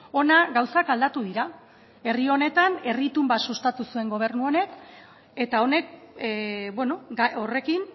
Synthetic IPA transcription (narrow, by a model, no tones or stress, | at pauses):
o̞naɡawsakald̪at̪uðiɾa | e̞rio̞ne̞t̪ane̞rit̪umbasust̪at̪usue̞ŋɡo̞β̞e̞ɾnuo̞ne̞k | e̞t̪ao̞ne̞k̚ | bweno̞ɡaore̞kin